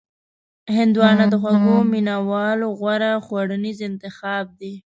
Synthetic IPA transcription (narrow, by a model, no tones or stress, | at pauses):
hɪnd̪wɑnad̪əxwaɡominawɑloɣwaɾaxwaɽənizɪnt̪ɪxɑb̚d̪i